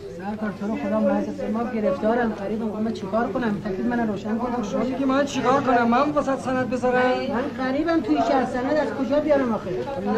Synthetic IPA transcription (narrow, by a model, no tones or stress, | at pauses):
dæɾkɒɾt̪ʰoɾɔxod̪ɒːmonæd̪esemːɒːɡe̞ɾefd̪ɒːɾæmɡæɾiːbæmkomænt͡ʃʰekʰɒːɾkʰonæmːfækɾiːd̪mænæɾoːʃænkonæmmɔmeɡʲimænt͡ʃʰekɒːɾkonæmːæmufosæt̪sænæd̪̚bezɒɾæmmænɢæɾiːbæmt̪ʰujiʃʰæɾsænæd̪æzkʰod͡ʒɒːbijɒɾæmɒːxe